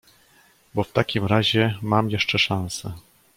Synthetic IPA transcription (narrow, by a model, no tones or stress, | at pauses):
bɔft̪akʲimɾaʑɛmamjɛʂt͡ʂɛʂãñsɛ